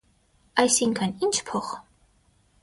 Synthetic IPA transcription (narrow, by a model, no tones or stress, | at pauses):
ɑjsiŋkʰənint͡ʃʰpʰɔχ